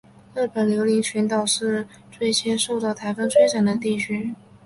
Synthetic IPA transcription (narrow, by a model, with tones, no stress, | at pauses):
ɤ˥˩pə˨˩nljo˧˥ʊli˧˥ŋt͡ɕʰy˧˥nt̪ɑ˨˩ʊʂɻ̩˥˧ | t͡swe˥˩ɪt͡ɕʰjɛ˥nʂo˥˧ʊt̪ɑ˥˩ʊt̪ʰa˧˥ɪfə˥ŋt͡sʰwe˥ɪʈ͡ʂʰa˨˩nd̪ə˦t̪i˥˩t͡ɕʰy˥